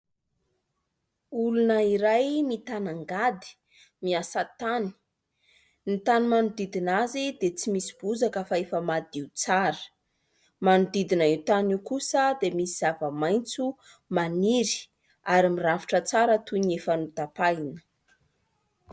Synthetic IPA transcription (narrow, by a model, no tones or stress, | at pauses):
ulunəiɾajmit̪anaŋɡad̪i̥ | miasat̪ani̥ | nit̪animanud̪id̪inazid̪et͡simisi̥b̥uzakəfaefəmad̪iut͡saɾə̥ | manud̪id̪inəiwt̪aniwkusəd̪emisiz̥avəmajnt͡su | maniɾi̥ | aɾimiravi̥ʈ͡ʂət͡saɾət̪uniefanut̪apajnə̥